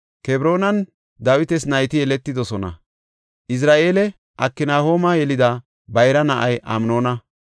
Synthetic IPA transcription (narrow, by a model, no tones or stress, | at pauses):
kɛbɾo̞ːnɐn | d̪aːwɪt̪ɛsnɐjt̪ɪjɛlɛt̪ːɪd̪ɔsɔnɐ̰ | ʔɪs̬ɾaːʔeːlɛ | ʔɐkːɪnaːho̞ːmɐjɛlɪd̪ɐ | bɐjɾɐnɐʔɐjʔɐ̰mno̞ːnɐ